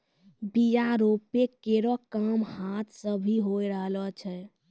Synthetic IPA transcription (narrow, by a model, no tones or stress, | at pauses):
bijaɾopekeɾɔkəmhat̪ʰsəbʱiɦojɾəɦlɔt͡ʃʰɛ